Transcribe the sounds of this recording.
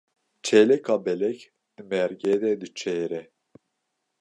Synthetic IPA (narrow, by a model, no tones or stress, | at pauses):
t͡ʃʰɛlɛkʰabɛlɛk | d̪̥ɨmɛɾɡɛd̪ɛd̪ɨt͡ʃʰɛːɾɛ